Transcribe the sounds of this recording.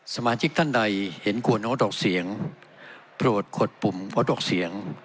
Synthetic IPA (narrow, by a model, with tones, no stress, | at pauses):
sa˧maː˧t͡ɕʰi˦˥k̚t̪ʰa˥˩nda˧jhe˩˦nku˧ənoː˦˥dɔː˨˩k̚si˨˩˦əŋ | pɾu˨˩ət̪̚kʰo˨˩t̪̚pu˨˩mkɔː˦˥dɔː˨˩k̚si˨˩˦əŋ